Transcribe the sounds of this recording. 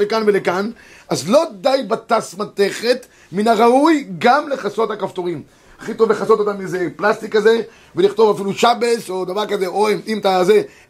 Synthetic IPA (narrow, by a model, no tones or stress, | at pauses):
lekanvelekan | azlo̞d̪ajbat̪asmat̪e̞χe̞t̪ | minaʁaujɡamle̞χaso̞t̪hakaft̪oʁim | haχito̞vleχaso̞t̪ot̪amizeplast̪ikːaze̞ | veliχt̪o̞vafiluʃabe̞so̞d̪avaʁkaze̞oemimt̪aze